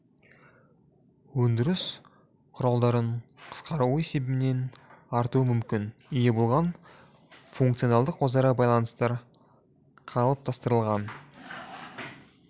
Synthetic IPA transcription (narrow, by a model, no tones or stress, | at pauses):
wɵnd̪ɪɾɪs | qʰʊɾɑlˠd̪ɑɾəɴqʰə̥sqɑɾuwese̞bɪmɪne̞nɑɾt̪uəmʏmkʲɪnʏje̞bo̞lˠʁɑn | fuŋkt̪sio̞nɑlˠd̪əqwo̞zɑɾɑbɑjlˠɑnəst̪ɑɾ | qʰɑlˠəp̚t̪ʰɑst̪əɾəlˠʁɑn